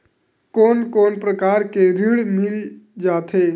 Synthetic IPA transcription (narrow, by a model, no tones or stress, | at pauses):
koːnkoːnpɾəkaːɾkeɾɪɽmɪld͡ʒaːt̪ʰeː